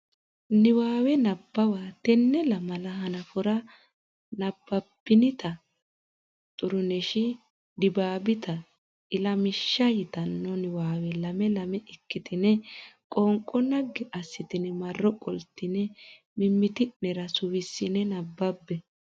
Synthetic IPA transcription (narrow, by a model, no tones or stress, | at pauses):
nɪwaːwɛnɐbːɐwaːt̪ɛnːɛlɐmɐlɐhɐnɐfʊɾɐ | nɐbːɐbːɪnɪt̪ɐ | t̪ʼʊɾʊnɛʃɪ | d̪ɪbaːbɪt̪ɐ | ʔɪlɐmɪʃːɐjɪt̪ɐnːɔnɪwaːwɛlɐmɛlɐmɛɪkːɪt̪ɪnɛkʼɔŋkʼːɔnɐɡːɪʔɐsːɪt̪ɪnɪmɐrːɔkʼɔlt̪ːɪnɛ | mɪmːɪt̪ɪnɛɾɐsʊwɪsːɪnɛnɐbːɐbːɛ